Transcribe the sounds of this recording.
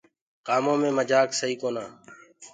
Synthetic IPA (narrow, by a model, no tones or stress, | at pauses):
kaːmõːmẽːməd͡ʒaːksəɦiːkoːnãː